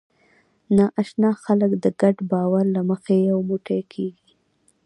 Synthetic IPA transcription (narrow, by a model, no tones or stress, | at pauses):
nɑʔaʃnɑxaləkd̪əɡaɖbɑwaɾlaməxejawmuʈekʰeɡi